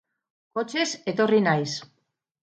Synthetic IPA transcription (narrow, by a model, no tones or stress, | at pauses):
ko̞t͡ʃe̞se̞t̪o̞rinajs